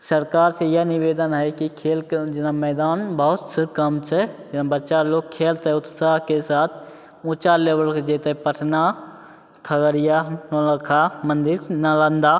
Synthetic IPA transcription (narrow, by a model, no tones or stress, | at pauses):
səɾkaːɾsejənɪʋeːd̪ənɦɛkikʰeːld͡ʒɪnamɛːd̪aːnbəɦʊt̪sekəmt͡ʃʰɛd͡ʒɪnabətːʃaloːɡ̚kʰːeːlt̪ɦɛʊt̪saːɦkesaːt̪ʰ | ʊ̃ːt͡ʃaleːʋəlkd͡ʒeːt̪ɦɛpəʈʰna | kʰəɡəɾijanələkʰamə̃nd̪ɪɾnələ̃nd̪a